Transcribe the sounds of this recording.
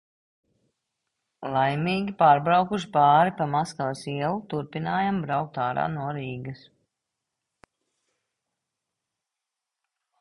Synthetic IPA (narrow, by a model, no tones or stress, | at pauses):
lˠajmiːɡʲipaːɾbɾawkuʃ̬pɑːɾipamaskalsiɛlˠut̪uɾpinaːjambɾawk̚t̪aːɾa̰ːnuɔɾiːɡɐs